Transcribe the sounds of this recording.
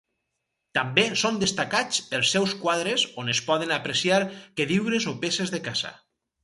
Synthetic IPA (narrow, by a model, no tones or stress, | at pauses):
t̪ambesond̪est̪akat͡spəlˠsːɛwskwaðɾezonespɔðenapɾesiaɾkeðiwɾezopesezðekaz̥a̰